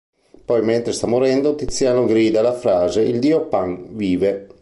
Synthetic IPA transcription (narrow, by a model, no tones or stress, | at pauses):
pɔjment̪ɾest̪amːoɾɛnd̪ot̪it̪sːjaːnoɡɾiːd̪alafɾaːzeild̪iːopaŋviːve